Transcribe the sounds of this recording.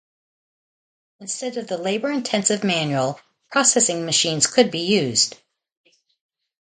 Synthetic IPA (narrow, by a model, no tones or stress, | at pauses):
ɨ̃nstɛɾʌvðəleɪbə˞ɨ̃ntʰɛ̃nsɨvmæ̃njul̩ˠ | pʰɹ̥ɑsɛsɪ̃ŋmɨʃĩnz̥kʰɨd̚bijʉz̥d̥